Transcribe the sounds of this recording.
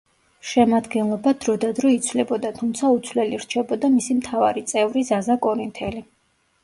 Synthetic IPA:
ʃɛmad̪ɡɛnlˠɔbad̪̥ɾɔd̪ad̪ɾɔit̪sʰvlɛbɔd̪at̪ʰumt̪sʰaut̪sʰlɛliɾt͡ʃʰɛbɔd̪amisimt̪ʰavaɾit̪sʼɛvɾizazakʼɔɾint̪ʰɛli

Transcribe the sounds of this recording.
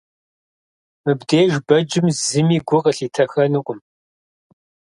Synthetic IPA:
mɨbdeːʒbɐd͡ʒɪmzɨmiːɡʷʊqəɬiːtʰɐxɐnɨqʷʊm

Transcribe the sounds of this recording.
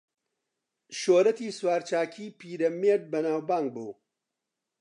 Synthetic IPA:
ʃoːɾɐt̪iːswaːɾt͡ʃaːkʰiːpiːɾɐmeːd̪̚bɐnaːwbaːŋɡ̚buː

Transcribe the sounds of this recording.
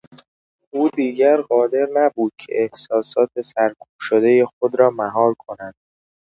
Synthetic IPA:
uːd̪iːɟæɾɢɒːd̪e̞ɾnæbuːd̪̥̚cʰḛʔehsɒːsɒːt̪̚ʰe̞sæɾkʰuːb̥ʃod̪e̞jexod̪ɾɒːmæɦɒːɾkʰo̞nænd̪̥̚

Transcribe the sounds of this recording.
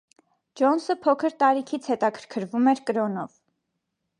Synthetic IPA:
d͡ʒɔnsəpʰɔkʰəɾt̪ɑɾikʰit͡sʰhɛt̪ɑkʰə̥ɾkʰəɾvumɛɾkəɾɔnɔv

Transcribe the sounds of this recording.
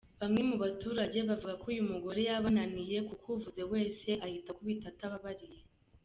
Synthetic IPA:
βamŋe̞muβatuːɾaɟe̞βavuɡakujumuɡo̞ɾe̞jaβananije̞kukwuvuze̞we̞ːse̞ʔahitakuβitataβaβaɾije̞

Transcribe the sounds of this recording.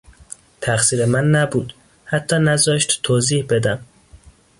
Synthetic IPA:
t̪ʰæxsiːɾemænːæbuːd̪ | hæt̪ʰːɒːnæzɒːʃt̪t̪ʰːoːziːhbe̞d̪æm

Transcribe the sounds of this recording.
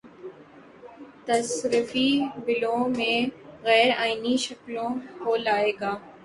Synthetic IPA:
t̪ɐsɾɪfibɪlõmẽɣɛːɾaːiniʃɐklõkolaːeːɡaː

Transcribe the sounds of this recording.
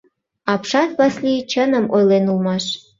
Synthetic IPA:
ɑpʃɑt̪βɑslit͡ɕənəmojlenulmɑʃ

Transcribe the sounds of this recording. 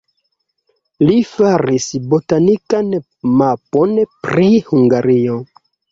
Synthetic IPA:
lifaɾisbo̞tanikan | mapo̞npɾihuŋɡaɾio̞

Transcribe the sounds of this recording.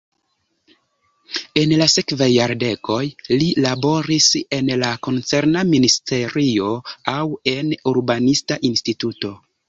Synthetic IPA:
e̞nlase̞kvajːaɾde̞ko̞jlilabo̞ɾise̞nlakont͡se̞ɾnaministʰe̞ɾio̞awe̞nuɾbanistaʔinstituto̞

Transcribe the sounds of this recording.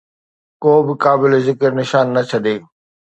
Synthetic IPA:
koːbɪkaːbɪlezɪkəɾnɪʃaːnːɐt͡ɕʰɐɗeː

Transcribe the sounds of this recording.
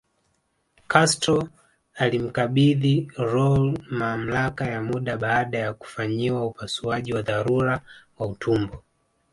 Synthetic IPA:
kʰastɔ | alim̩kaɓiðiɾɔlmam̩lakajamuɗaɓaːɗajaku̥faɲiwaupasuaʄiwaðaɾuɾawautʰumbɔ

